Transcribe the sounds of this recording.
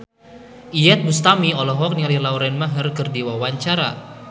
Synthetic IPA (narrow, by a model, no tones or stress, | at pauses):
ʔijɛt̪̚bust̪amiɔlɔɦɔk̚niŋalilauɾɛnmaɦərkɨrdiwawaɲt͡ʃaɾa̰